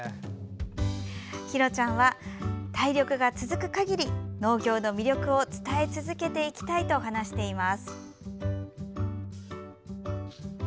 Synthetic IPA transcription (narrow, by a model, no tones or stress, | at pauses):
çiɾo̞t͡ɕãɰ̃βat̪aiɾʲo̞kɯ̟ɡat͡sɨzɨkɯ̟̥kaɡʲiɾʲino̞ːɡʲo̞ːno̞mʲiɾʲo̞kɯ̟o̞t͡sɨ̥t̪ae̞t͡sɨzɨke̞t̪e̞ikʲi̥t̪ait̪o̞ɦanaɕi̥t̪e̞imasɨ̥